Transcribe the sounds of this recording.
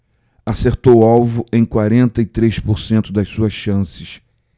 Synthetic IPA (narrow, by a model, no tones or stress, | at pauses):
aseɾt̪owawvʊʔẽj̃kwaɾẽnt̪ɐit̪ɾeʃpoɾsẽnt̪ʊd̪ɐssuɐsɐ̃sɪs